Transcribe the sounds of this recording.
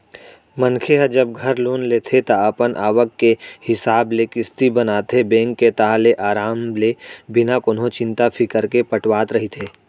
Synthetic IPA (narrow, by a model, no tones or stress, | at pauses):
mənkʰeɦəd͡ʒɐb̚ɡʱɐɾloːnleːt̪ʰet̪aɐpənʔaːʋəkːehɪsaːblekɪst̪ibɐnaːt̪ebẽːŋkːet̪aːleʔaːɾaːmlebɪnakonɦõt͡ʃɪ̃nt̪apʰɪkəɾkepəʈwaːt̪ɾɐɦit̪ʰeː